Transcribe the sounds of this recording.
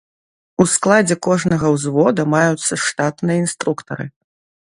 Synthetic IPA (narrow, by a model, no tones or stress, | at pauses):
usklˠad͡zʲɛkɔʐnɐɣɐwzvɔd̪ɐmajut̪sːɐʂt̪at̪nɨjɐinst̪ɾukt̪ɐɾɨ̰